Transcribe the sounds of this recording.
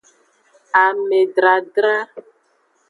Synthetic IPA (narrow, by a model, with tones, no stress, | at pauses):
a˨me˨ɖɾa˨ɖɾa˦